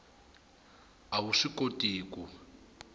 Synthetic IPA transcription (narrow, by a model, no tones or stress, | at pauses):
awuʂikotʼiːku